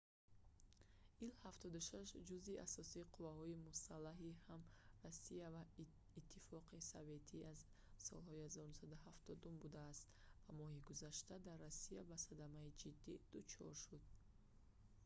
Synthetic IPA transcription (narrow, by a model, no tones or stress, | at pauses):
ʔilhaft̪ʰɔd̪uʃaʃd͡ʒuzia̰sɔsiːqʰuvahɔimusalːaɦihamrasiava | it̪ʰːifɔqʰisave̞t̪ʰiaz | sɔ̰lhɔihazɔɾunusad̪uɦaft̪ʰɔd̪umbud̪aːst̪ | vamɔhiɡuzaʃt̪ad̪arːasiabasad̪amaid͡ʒid̪ːid̪̥ut͡ʃʰɔ̰ɾʃud̪̥